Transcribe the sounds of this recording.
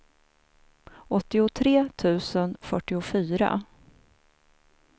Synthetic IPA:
ʔɔt̪ːɪʊt̪ʰɾeːt̪ʰʉ̟ːsənfœʈːɪʊfyːɾa̰

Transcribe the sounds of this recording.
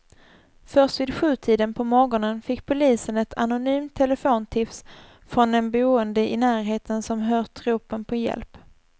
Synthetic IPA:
fœst̪vɪːd̪ɧʉ̟ːt̪ʰiːd̪ənpʰɔmɔɡɔnənfɪkːpʰʊliːsənɛt̪ʰa̰nʊnyːmt̪ʰːɛləfoːnt̪ʰɪfs | fɾɔnd̪ɛnbuːənd̪əʔɪnæːɾɦeːt̪ʰənsɔmɦœːt̪ʰːɾuːpənpʰɔjɛ̰lp

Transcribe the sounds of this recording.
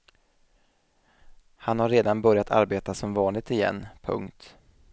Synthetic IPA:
hanhaɾːeːd̪anbœɾjat̪ʰa̰ɾbeːt̪asɔmvɑːnlɪɡ̚t̪ɪjɛ̰nːpʰɵ̰ŋkt̪

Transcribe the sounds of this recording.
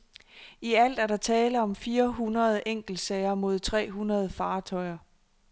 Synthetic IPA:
iæl̰d̥æɐɾdɑ̈t͡sʰɛːləɒ̽mfiːɐɦunʁɐð̞ˠʔeŋ̰ɡ̥l̩d̥sɛɪɐmo̝ð̞̰ˠt͡sʰʁɛ̰ːɦunʁɐð̞̩ˠəfɑ̈ːt͡sʰɒ̽ɪɐ

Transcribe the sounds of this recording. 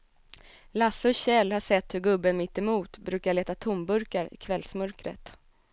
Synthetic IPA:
lasːɔɕɛlːhaʂɛt̪ːhɵɾɡɵbːənmɪt̪ːɛmuːt̪bɾʉ̟ːkaɭeːt̪at̪ʰʊmbɵɾkaɾɪ̰kʰvɛlsmœɾkɾə̰t̪

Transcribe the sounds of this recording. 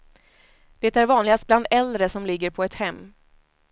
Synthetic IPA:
d̪̥ɛt̪æɾvɑːnlɪɡast̪̚bland̪ɛld̪ɾəsɔmlɪɡːəɾpʰɔɛt̪hɛmː

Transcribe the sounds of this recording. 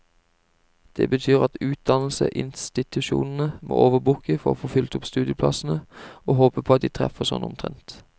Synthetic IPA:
d̪̥eːbət̪ʰyːʁɑt̪ʉːt̪̚d̪ɑnl̩sə̰ʔɪnst̪ɪt̪ʉʃṵːnn̩əmʔo̰ːʔoːʋəbʊkəfɔʁo̰ːfoːfʏlt̪ʊpst̪ʉːd̪ɪəpʰlɑsn̩əoːɦoːpəpʰoːɑt̪̚d̪iːt̪ʰʁɛ̰fəsɔnːɔmt̪ʰʁɛnt̪

